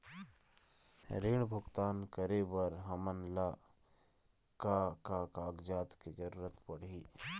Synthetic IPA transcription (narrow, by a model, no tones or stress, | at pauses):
ɾeːɽ̃bʱʊɡt̪aːnkəɾebəɾɦɐmənla | kakakaːɡd͡ʒaːt̪ked͡ʒəɾuːɾət̪pɐɽ̤iː